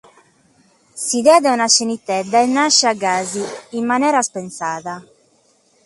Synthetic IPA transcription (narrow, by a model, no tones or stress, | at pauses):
siðɛːðɛunat͡ʃːenit̪ːɛd̪ːaɛnːaʃːɛaɡːaːziːmːanɛːɾaspɛnsaːða